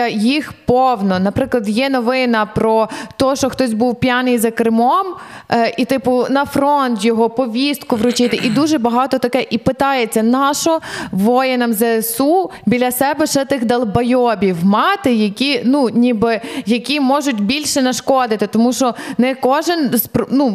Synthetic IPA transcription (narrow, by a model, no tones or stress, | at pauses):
ɐjixpɔwnɔnɐpɾɪklˠɐd̪jɛnɔʋɪnɐpɾɔt̪ɔʃɔxt̪ɔsʲbuwpʲjanɪjzɐkɾɪmɔm | ʔit̪ɪpʊnɐfɾɔnt̪jɔɦɔpɔʋʲist̪̚kʊʋɾʊt͡ʃɪt̪ɪʔid̪uʒɛbɐɦɑt̪ɔt̪ɐkɛʔipɪt̪ɑjet͡sʲːɐnɑʃɔʋɔjɛnɐmzɛsubʲilʲːasɛbɛʃɛt̪ɪxd̪ɐlˠbɐjɔbʲiwmɑt̪ɪjɐkʲinunʲibɪjɐkʲimɔʒʊtʲbʲilʲʃɛnɐʃkɔd̪ɪt̪ɪt̪ɔmuʃɔnɛkɔʒɪnzpɾnu